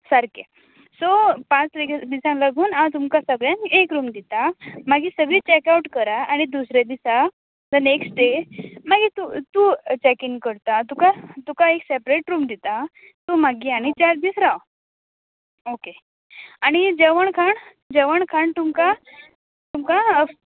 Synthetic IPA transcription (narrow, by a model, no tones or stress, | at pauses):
saɾke | sopãt͡sɾiɡd̪isãŋləɡuːnãt̪umkasəɡɭjãŋekɾuːmd̪it̪amaɡiːsəɡɭiːt͡ɕɛkauʈkəɾaaɽ̃id̪usɾjed̪isa | d͡zəneksʈɖemaɡit̪ut̪ut͡ɕɛkiŋɡkəɾt̪at̪ukat̪ukaeksepɾeʈɾuːmd̪it̪a | t̪umaɡiːaɽ̃it͡ɕaɾd̪iːsɾaw | oke | aɽ̃id͡ʑeʋəɳkʰaɳ | d͡ʑeʋəɳkʰaɳt̪umka | t̪umka